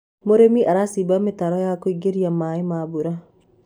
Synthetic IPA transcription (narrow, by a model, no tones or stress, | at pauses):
moɾemiʔaɾasibametaɾɔjakoiɡeɾiamaimabuɾa